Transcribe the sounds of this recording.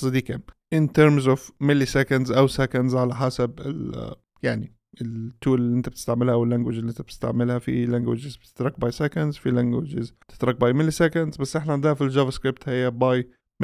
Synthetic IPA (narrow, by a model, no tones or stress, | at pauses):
sˤɑd̪iːkamʔɪnt̪eɾmzʊfmɪlːisɛkandzʔawsækandzʕalaħasabɪ̰l | jaʕni | ɪlt̪ːuːlliʔɪnt̪ab̥̚t̪ɪ̥st̪aʕmɪlhaʔwɪlːæŋɡwɪd͡ʒlːiʔɪnt̪æb̥̚t̪ɪ̥st̪a̰ʕmɪlhafḭlæŋɡwɪd͡ʒɪzbt̪ɪ̥t̪ɾˤɑk̚bɑjsækandzfilæŋɡwɪ̰d͡ʒɪz̥t̪ɪ̥t̪ɾˤɑk̚bɑːjmɪlːsækand̪zbasːʔɪħnaʕɪnd̪ɪhæfild͡ʒavaskɾɪp̚t̪hɪjːabɑj | m